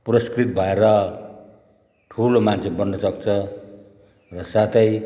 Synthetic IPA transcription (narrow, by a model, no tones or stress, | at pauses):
prʌskrit̪̚bʱʌeɾʌ | ʈʰulomant͡sʰebʌnːʌsʌk̚t͡sʰʌ | rʌsat̪ʌj